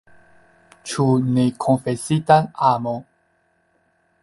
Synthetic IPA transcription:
t͡ʃunikʰonfesitanamo

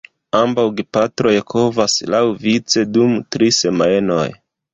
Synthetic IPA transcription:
ambawɡipatɾo̞jkʰo̞vaslawvit͡se̞dumtɾise̞maeno̞̰j

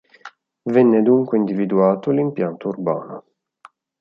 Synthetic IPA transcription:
vɛnːed̪uŋkweind̪ivid̪uaːt̪olimpjant̪urba̰ːno̰

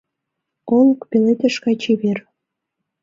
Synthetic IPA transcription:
olˠkpelet̪ĕʃkɑt͡ɕeβer

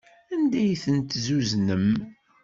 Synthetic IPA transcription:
ænd̪æjθənt̪zuznəm

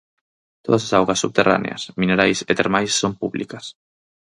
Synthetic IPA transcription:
t̪oðɐsasawɣɐsːuβt̪era̰nḛɐ̰smineɾajset̪eɾmajsːompuβlikɐs

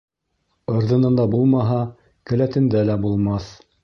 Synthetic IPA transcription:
ɤ̆ɾðɤ̆nɤ̆nd̪ɑbulˠmɑɦɑ | kɘ̆læt̪ɘ̆nd̪ælæbulˠmɑθ

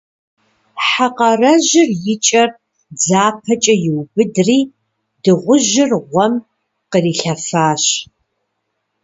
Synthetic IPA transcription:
ħaqɐrɐʑɪrjɪt͡ʃʼɐr | d͡zaːpʰɐt͡ʃʼɐjɪwbɨdriː | dɨʁʷʊʒɪrʁʷɔm | qəriːɬɐfaːɕ

